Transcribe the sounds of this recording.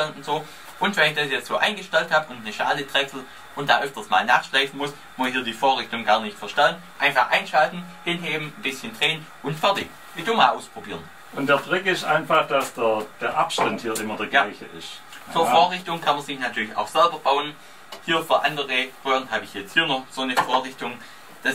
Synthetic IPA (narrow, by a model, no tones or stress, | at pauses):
ɛlnʊntz̥oː | ʔʊntv̥ɛnɪçd̥asjɛt͡stz̥oːʔa̰ɪnɡəʃtɛlthaːbʊntnəʃaːlədʁ̥ɛksl̩ | ʔʊntd̥aːʔœftɐstma̰ːlnaːχʃlaɪfn̩mʊs | mʊshiːɐdiːfoːɐʁɪçtʊŋɡaːɐnɪçtfɛɐʃtalnnʔaɪnfaχʔaɪnʃaltn̩hɪnɦeːbm̩n̩bɪsçəndʁeːən | ʔʊntfɛɐdɪç | bɪdomaːlʔaʊspʁ̥obiːʁən | ʊntd̥eːɐtʁɪkɪstʔa̰ɪnfaχd̥asd̥eɐd̥eːɐʔapʃtanthiːɐʔɪmɐdeːɐɡaɪçəʔɪ̰st | t͡suːɐfoːɐʁɪçtʊŋkʰanmɐnzɪçnatʰyːɐlɪça̰ʊxsɛlbɐb̥aʊən | hiːɐfyːɐʔandəʁə̥ʁɔːʁnɦaːbəɪçhjɛt͡sthiːɐnɔχz̥oːnəfoːɐʁɪçtʊŋ | d̥a